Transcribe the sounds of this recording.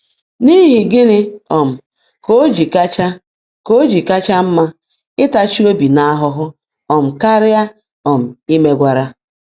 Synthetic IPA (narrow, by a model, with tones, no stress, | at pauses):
ni˦ɦi˨ɡɪ˦ɾɪ˦ɔ˨m̩˨ | ko˦d͡ʒi˨ka˦t͡ʃa˦ | ko˦d͡ʒi˨ka˦t͡ʃa˦m̩˦ma˦ | ɪ˦ta˦t͡ʃi˦o˦bi˨na˦a˦ɦʊ˦ɦʊ˦ | ɔ˨m̩˨ka˦ɾɪ˦a˦ | ɔ˨m̩˨i˦me˦ɡʷa˨ɾa˦